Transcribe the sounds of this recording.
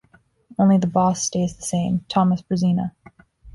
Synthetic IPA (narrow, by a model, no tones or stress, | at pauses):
õʊ̃nliðəbɔsteɪzðɨsẽɪ̃mtʰɑməsb̥ɹɨzĩnə̰